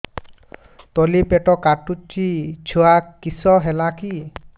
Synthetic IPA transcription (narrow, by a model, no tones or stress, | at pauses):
t̪ɔlipeʈɔkaʈut͡ʃit͡ʃʰuakːisɔɦelaki